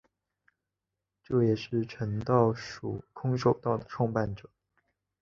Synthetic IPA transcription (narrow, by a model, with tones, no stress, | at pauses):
ʈ͡ʂo˥˩jɛ˨˩ʂɻ̩˥˩ʈ͡ʂʰə˧˥nt̪ɑ˥˩ʊʂṵ˨˩kʰʊ˥ŋʂo˨˩ʊt̪ɑ˥˩ʊd̪ə˩ʈ͡ʂʰwɑ˥˧ŋpa˥˩nʈ͡ʂɤ̥˨˩˦